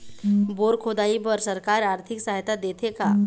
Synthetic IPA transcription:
boːɾkʰoːd̪aːipɐɾsɐɾkaːɾaːɾt̪ʰɪksaɦjt̪ʰad̪eːt̪ʰeka

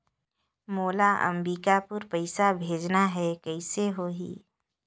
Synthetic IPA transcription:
moːlaʔə̰mɾiːkapʊɾpɐɪsabʱeːd͡ʒnaɦɛkɛɪseɦoːɦḭː

